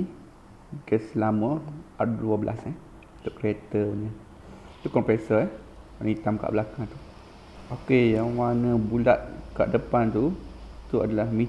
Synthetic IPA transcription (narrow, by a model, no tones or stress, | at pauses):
ɡəsəlamə̃aduəbəlʔa̰sɛ | t̪ʊʔkɾiet̪əuɲə̃ | t̪ukɔnpesəɛh | wanəit̪amka̰ʔbəlakaŋt̪u | ʔokejaŋwanə̃bula̰t̪̚ka̰ʔdəpant̪ut̪uadalahmi